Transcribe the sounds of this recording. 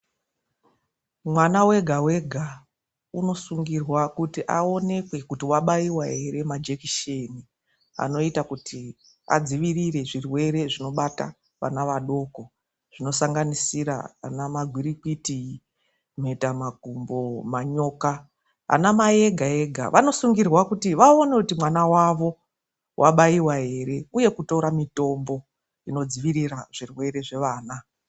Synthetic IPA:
mwanawe̞ɡʱawe̞ɡʱa | uno̞suŋɡirwakutiʔao̞ne̞kwe̞kutiwaɓaiwaɦere̞mad͡ʒekiʃeni | a̰no̞itakutʰi | a̰d͡ziʋirire̞ʐirwe̞ɾe̞ʐino̞ɓata̰ | ʋa̰naʋaɗo̞ːko̞ | ʐ̥ino̞saŋɡanisiɾa̰a̰namaɡʱwiɾikiti | meitamaɡʱumbo̞maɲo̞ːka | a̰namaje̞ɡʱae̞ɡʱa̰ʋʔano̞suŋɡirwakutiʋaonekutimwanawaʋo̞ | wʔaɓaiwaɦe̞ɾe̞uje̞kuto̞ɾamito̞mbo̞ | ino̞d͡ziʋiɾiraʐ̥irwe̞ɾe̞ʐe̞ʋaːna

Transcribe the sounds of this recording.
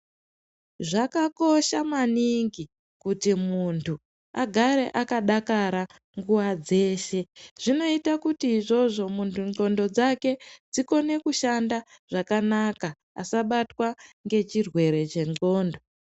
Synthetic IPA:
ʐakako̞ʃamaniŋɡi | kutimuntʰu | aɡʱaɾe̞̰ʔakaɗakaɾa | ŋɡuʋad͡ze̞ːʃe̞ʐ̥ino̞itakutiːʐo̞ʐo̞muntʰuŋ͡ǃo̞ndo̞d͡zake̞d͡ziko̞ne̞kuʃanda | ʐakanaka̰ː | saɓatwaŋɡe̞t͡ʃirwe̞ɾe̞t͡ʃe̞ŋo̞ːndo

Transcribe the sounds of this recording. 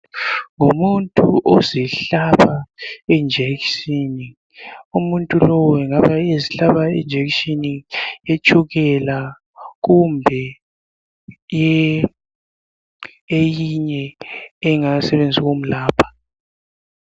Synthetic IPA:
ŋumuntʼuʔoziɬaβaɛnd͡ʒʱeksini | umuntʼulɔwɔɛŋaβaeziɬaβaɛnd͡ʒʱeksiniet͡ʃʼuɣɛla | ɣumbʱɛ | jɛ | ejiɲɛː | ŋasɛβend͡zʱiɣom̩laːpʰḁ

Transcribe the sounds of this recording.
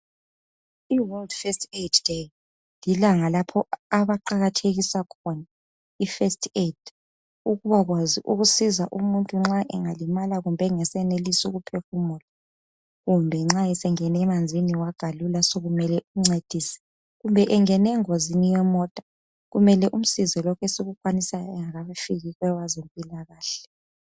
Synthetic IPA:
iwɔldfɛstetʰd̥e | lilaŋalapʰɔaβaǃaɣatʰeɣisakʰɔna | ifɛstʰʼetʰʼ | uɣuβaɣwaziʔuɣusizaʔumuntʼuŋ͡ǁaʔɛ̰ŋalimalaɣumbʱɛŋɛsɛnelisuɣupʰefumɔtʼḁ | ɣumbʱɛŋ͡ǁaɛsɛŋɛnɛmand͡zʱiniwaɡ̥ʱalulasoɣumɛlɛʔuŋ͡ǀed̥ʱiːsɛ̥ | ɣumbʱɛʔɛŋɛnɛŋozinijɛmɔtʼḁ | ɣumɛlɛʔum̩sizɔlɔkʰɛseɣukʰʼwanisajɔɛŋaɣaβfiɣiɣɛwazempʼilaɣaːɬɛ̥

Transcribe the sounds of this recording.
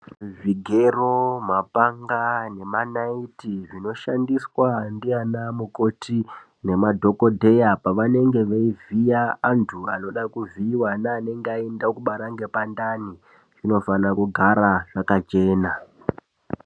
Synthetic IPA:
viɡʱeromapaŋɡane̞manaitiʐino̞ʃandiswandianamuko̞tʰi | ne̞madʱo̞ko̞dʱe̞japaʋane̞ŋɡe̞ʋaivijaːntʰuano̞ɗakuviːwanaːne̞ŋɡeaendakuɓaɾaŋɡe̞pandani | ʐ̥ino̞fanakuɡʱaɾaʐ̥akat͡ʃe̞ːna

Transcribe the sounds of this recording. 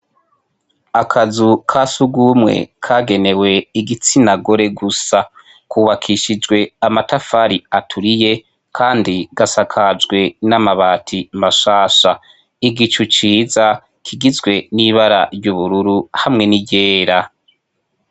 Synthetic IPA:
akʰazukʰasuɡumŋe̞̰kʰaːɡe̞ne̞we̞iɡit͡sinaɡo̞ɾe̞ɡusa | kʰuːβakʰiʃid͡ʒɡwe̞amatafaɾiatʰuɾije̞ | kʰaːndiɡ̥asakʰad͡ʒɡwe̞namaβaːtʰimaʃaːʃa | iɡit͡ʃut͡ʃiːza | kʰiɡizɡwe̞niβaɾa̰ɾjuβuɾuɾuhamŋe̞niɟe̞ːɾa

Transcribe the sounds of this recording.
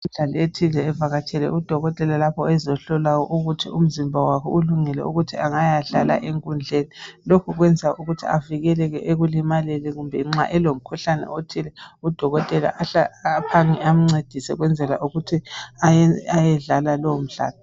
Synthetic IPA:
im̩ɮalɔetʰilɛːvaɣatʰɛlɛ̰ʔud̥ʱɔɣɔtʼɛlalapʰɔɛzɔɬɔlajɔ̰ʔuɣutʰḭum̩zimbʱawakʰɔ̰ʔuluŋɛlɛ̰uɣutʰiaŋajaɮala̰ʔeŋkʼund͡ɮʱenilokʰuɣwɛnd͡zʱaʔuɣutʰḭaviɣɛlɛɣɛʔeɣulimalɛlɛɣumbʱɛŋ͡ǁa̰ʔɛlom̩kʰuɬanɛ̰otʰilɛud̥ʱɔɣɔtʼɛla̰ʔaaːpʰaŋiam̩ŋ͡ǀed̥ʱisɛ̰ɣwɛnd͡zʱɛla̰ʔuɣutʰiajajɛɮalalɔwom̩ɮa̰ːlɔ

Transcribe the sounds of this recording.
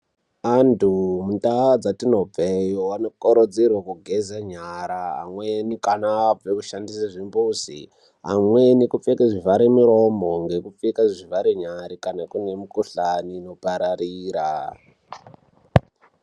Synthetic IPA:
antʰumuntaad͡zatino̞b͡vejowanokʼoɾod͡zerwakuɡʱezaɲaɾaɦa̰mwenikanaːb͡vekuʃandisaʐimbuzḭ | ɦamwenikup͡fekaʐivaɾemuɾo̞moŋɡe̞kufekaʐivaɾeɲaɾikanakune̞mukuɬaniːno̞paɾariːɾa

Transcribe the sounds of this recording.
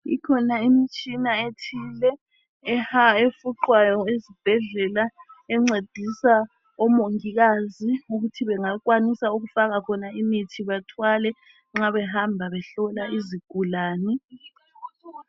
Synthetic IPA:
ḭkʰɔnaimit͡ʃʰʼinaetʰiːlɛ | aefuǃwajɔezib̥ʱɛɮɛlaɛŋ͡ǀed̥ʱisa | ɔmoŋiɣaziuɣutʰiβɛŋak̬ʼwanisauɣufaɣakʰɔnaimitʰiβatʰwalɛ | ŋ͡ǁaβɛhambʱaβɛɬɔlaiziɡ̥ʱulaːni

